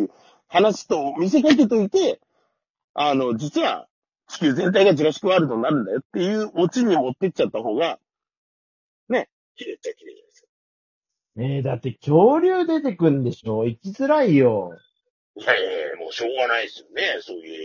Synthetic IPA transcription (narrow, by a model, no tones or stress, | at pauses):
hanaɕi̥t̪o̞omʲis̬e̞kak̬e̞t̪̬o̞it̪e̞ | ano̞d͡ʑit͡sɨβa̰ | t͡ɕi̥kʲɨːzẽ̞nt̪̬aiɡad͡ʑiɾaɕi̥kɯ̟βaɾɯ̟t̪onnːaɾɯ̟̃nd̪ajo̞t̪ːe̞jɯ̟ːo̞t͡ɕiɲ̟imo̞t̪ːe̞kʲi̥t͡ɕat̪ːaɦo̞ːɡa | ne̞ | kʲiɾe̞t͡ɕakʲiɾet͡ɕas | eːd̪at̪ːe̞kʲʰo̞ːɾʲɨːd̪e̞t̪e̞kɯ̟̃nd̪e̞ɕo̞ːikʲizɨɾaijo̞ | jaemo̰ːɕo̞ːɡanaisɨjone̞so̞ːjɯ̟̰ː